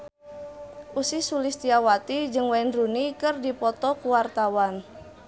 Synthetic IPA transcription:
ʔusisulist̪iawat̪id͡ʒɨŋwɛnrunikɨrdipɔt̪ɔkuwart̪awan

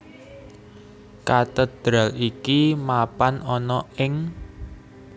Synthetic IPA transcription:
kat̪əd̪̥ɾalikimapanɔnɔɪŋ

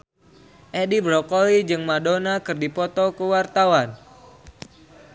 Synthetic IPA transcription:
ʔɛdibɾɔkolid͡ʒɨŋmadonakɨrdipɔt̪ɔkəwart̪awan

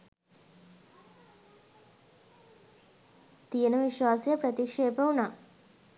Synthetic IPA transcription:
t̪ijənəʋiʃʋaːsejəpɾət̪ikʂeːpəunaː

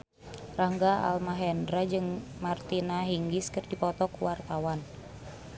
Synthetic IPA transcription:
raŋɡaa̰lmaɦɛndɾad͡ʒɨŋmart̪inaɦiŋɡiskɨrdipɔt̪ɔkuwart̪awan

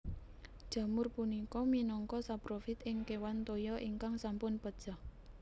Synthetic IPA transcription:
d̥ʒ̥ä̤mʊrpunikɔminɔŋkɔsapɾofɪt̪ɪŋkewant̪ojɔʔiŋkaŋsampʊnpəd̥ʒ̥a̤h

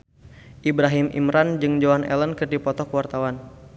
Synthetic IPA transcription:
ʔibɾaɦimʔḭmɾand͡ʒɨŋd͡ʒoanʔɛ̰lənkɨrdipɔt̪ɔkəwart̪awan

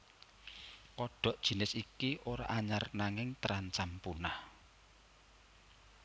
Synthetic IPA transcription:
kɔɖ̥ɔ̤ʔd̥ʒ̥i̤nɪsikiʔoɾa̰ʔaɲarnaŋɪŋt̪əɾaɲt͡ʃampunah

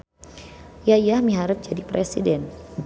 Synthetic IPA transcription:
jajahmiɦaɾət̪̚d͡ʒadipɾɛsḭdɛn

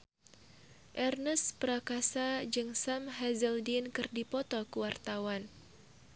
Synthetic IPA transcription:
ʔɛrnəspəɾakasad͡ʒɨŋsamɦazəldinkɨrdipɔt̪ɔkəwart̪awan

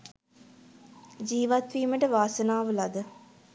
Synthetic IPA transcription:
d͡ʒiːʋat̪ʋiːməʈəʋaːsənaːʋəlad̪ə

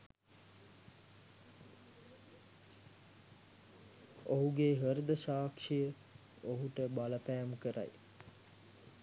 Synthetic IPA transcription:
oɦuɡeɦəɾd̪əʃaːkʂijə | oɦuʈəbaləpæjmkəɾʔa̰j

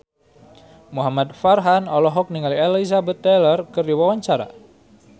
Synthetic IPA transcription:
muɦamat̪̚farɦanɔlɔɦɔk̚niŋalielaizabɛt̪ːɛlərkɨrdiwawaɲt͡ʃaɾa̰

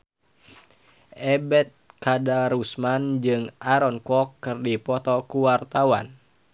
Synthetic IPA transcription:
ʔɛbɛt̪̚kadaɾusmand͡ʒɨŋʔaɾɔnkɔkːɨrdipɔt̪ɔkuwart̪awa̰n

